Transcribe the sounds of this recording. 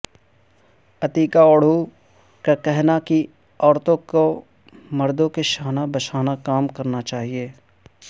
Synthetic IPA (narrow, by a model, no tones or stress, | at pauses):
ɐt̪iːkaɔːɽ̤o | kakɛɦnaki | ɔːɾt̪õko | mɐɾd̪õkeʃaːnabɐʃʰaːnakaːmkɐɾnat͡ʃaːɦieː